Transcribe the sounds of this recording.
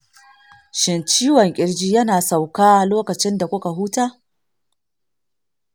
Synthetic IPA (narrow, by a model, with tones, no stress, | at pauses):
ʃɪ˨nt͡ʃiː˦wɔ˨ŋkʲʼɪ˦ɽd͡ʒiː˦jɐ˦naː˨sa˨wkaː˦ʔa˨loː˦kɐ˨t͡ʃɪ˦nda˨kʷʊ˦ka˨ɦuː˦taː˦